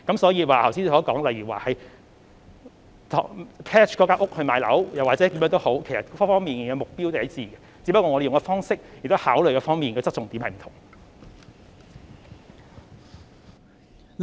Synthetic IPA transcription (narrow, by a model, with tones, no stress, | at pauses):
kɐ˨˥msɔː˨˥jiː˧waː˨˩t̪ʰɐ˨˩siː˥n˧˩sɔː˨˥kɔː˨˥ŋlɐ˨jɥyː˨˩wa̰ː˨hɐ˨j | t̪ʰːpʰɛː˥t͡ʃʰkɔ˨˥kaː˧˥ʔʊ˥k̚hɵ˧ɥmaː˨˧jlɐ̰˨˥wjɐ˨˩waː˨t̚t͡sɛː˨˥t̪iː˨˥mjœː˧˥ŋt̪o˥who˨˥wkʰe˨˩jsɐ˨˩t̚kffɔː˥ŋmiː˨˩n˨ŋɛ˧mʊ˨k̚piː˥wt̪hɐ˨˥t͡siː˨˩ɡɛ˧ | t͡siː˨˥pɐ˥kːɔː˧ŋɔ˨˧de˨jʊ˨ŋkɔː˧fɔː˥ŋsɪ˥k̚jɪ˨k̚t̪whaː˨˥wljkɛː˧fɔː˥ŋmiː˨nkɛː˧t͡sɐ˥t̚t͡sʊ˨ŋt̪iː˨˥mhɐ˨jm̩˨˩t̪ʰʊ˨˩ŋ